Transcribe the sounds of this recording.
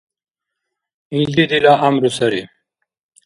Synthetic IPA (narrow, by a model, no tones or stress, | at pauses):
ild̪id̪ilaʔamɾusɐɾi